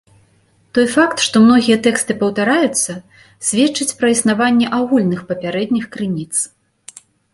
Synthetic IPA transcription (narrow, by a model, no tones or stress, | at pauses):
t̪ɔjfakt̪ʂt̪ɔmn̪ɔɣʲijɛt̪ɛkst̪ɨpɐwt̪aɾajut̪sːɐ | sʲvʲɛt͡ʂːɨt͡sʲpɾɐisnavanʲːɛʔaɣulʲnɨxpɐpʲaɾɛd̪ʲnʲixkɾɨnʲit̪s